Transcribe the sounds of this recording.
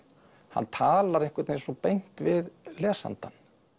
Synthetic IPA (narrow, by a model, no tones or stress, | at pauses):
ha̰nːt̪ʰaːlaɾejŋ̥kvɛɾt̪nesɔpejn̥t̪vɪðlɛːsa̰nt̪an